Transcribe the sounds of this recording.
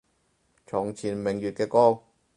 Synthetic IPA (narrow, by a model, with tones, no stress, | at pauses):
t͡ʃʰɔː˨˩ŋt͡sʰiː˨˩nmɪ˨˩ŋjyː˨t̚kɛː˧kɔː˥